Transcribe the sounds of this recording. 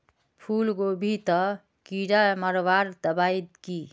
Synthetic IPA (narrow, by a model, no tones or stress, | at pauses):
pʰuːlɡobʱit̪ə | kiɾaməɾʋaɾd̪əbaid̪ki